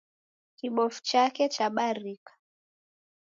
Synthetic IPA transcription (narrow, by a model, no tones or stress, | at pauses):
kiɓɔfu̥t͡ʃakɛt͡ʃaɓaɾikḁ